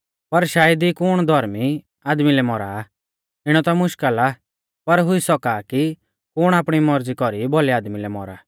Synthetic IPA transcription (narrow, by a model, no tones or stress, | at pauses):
pɐɾʃaːjəd̪ikʊɽ̃d̪ʱɔɾmi | aːd̪milɛmɔɾa̰ː | ɪɽ̃ɔt̪ɔmʊʃkəla | pɐɾɦʊisɔkaːki | kʊɽ̃aːpɽ̃imɔɾd͡zikɔɾibɔliaːd̪milɛmɔɾa̰ː